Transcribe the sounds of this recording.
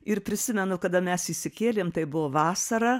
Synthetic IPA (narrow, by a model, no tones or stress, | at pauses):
ɪɾpʲɾʲɪsʲɪmʲɛnʊkɐd̪ɐmʲɛsiʃʲsʲɪkʲeːlʲeːmt̪ɐɪbʊʋoːʋɑːsɐɾɐ